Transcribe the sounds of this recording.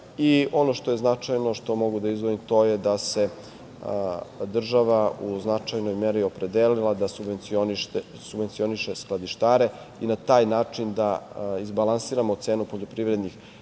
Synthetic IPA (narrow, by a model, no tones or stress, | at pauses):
io̞no̞ʃt̪o̞jeznat͡ʂajno̞ʃt̪o̞mo̞ɡud̪aizʋoimt̪o̞jed̪ase̞ | d̪r̩ʒaʋauznat͡ʃajno̞jmeɾio̞pɾe̞d̪eːlilˠad̪asubenioniʃ | subʋe̞nt̪sio̞niʃesklˠad̪iʃt̪aːɾe̞ | inat̪aːjnaːt͡ʂind̪aizbalˠansiːɾamot̪seːnupo̞ʎopɾiʋɾe̞d̪nix